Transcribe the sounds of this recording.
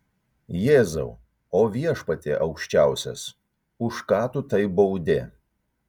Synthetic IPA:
jeːzɐ̰ʊ | oːʋʲiɛʃpɐt̪ʲeʔɒʊkʃʲt͡ʃʲæˑʊsʲɛ̰s | ʊʃkɑːt̪ʊt̪ɐɪbɐʊd̪ʲḛ

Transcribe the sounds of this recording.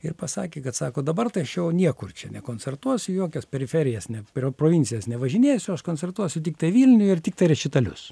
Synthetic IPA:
ɪrpɐsɑːkʲeːkɐt̪sɑːkoːd̪ɐbɐrt̪ɐɪɐʃjɛʊnʲiɛkʊrt͡ʃʲɛnʲɛkoːnʲt͡sʲɛrt̪uɔsʲʊjoːkʲɛspʲɛɾʲɪfʲɛɾʲɪjɛsnʲɛpʲroproːʋʲɪnʲt͡sʲɪjɛsnʲɛʋɐʒʲɪnʲeːjsʲʊɐʃkoːnʲt͡sʲɛrt̪uɔsʲʊt̪ʲɪkt̪ɐɪʋʲiːlʲnʲʊjɪrt̪ʲɪkt̪ɐɪɾʲɛʃʲɪt̪ɐlʲʊ̰s

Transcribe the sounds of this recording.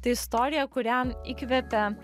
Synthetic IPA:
t̪ɐɪɪst̪oːɾʲɪjɛkʊɾʲæmiːkʲʋʲɛpʲɛ

